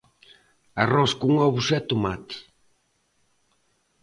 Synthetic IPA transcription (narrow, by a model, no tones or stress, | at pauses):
arɔskuŋɔβusɛt̪omat̪i̥